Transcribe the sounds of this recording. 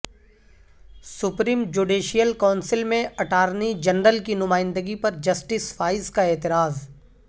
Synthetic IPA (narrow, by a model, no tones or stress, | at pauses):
sʊpɾiːmd͡ʒuːɖiːʃijəlkaːnsɪlmẽɐʈaːɾnid͡ʒɐnɾəlkinʊmaːɪ̃nd̪əɡipɐɾd͡ʒɐsʈɪsfaːɪzkaeːt̪ɪɾaːz